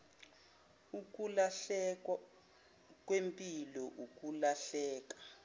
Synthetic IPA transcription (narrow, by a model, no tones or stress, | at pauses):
uk̬ʼulaɬɛka | k̬ʼwempʼilɔʔuk̬ʼulaɬɛːk̬ḁ